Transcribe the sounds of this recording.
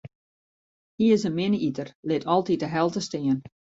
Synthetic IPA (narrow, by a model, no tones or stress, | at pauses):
hiɪsənmɪnəitərlɪtʰɔlˠtit̚dəɦɛlˠtəstɪən